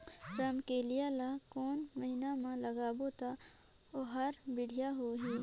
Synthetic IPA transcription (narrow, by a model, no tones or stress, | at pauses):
ɾɐmkelijalakoːnmɐɦinamãlɐɡaːbot̪a | oɦɐɾbɪɽ̤ʱijaɦoːɦiː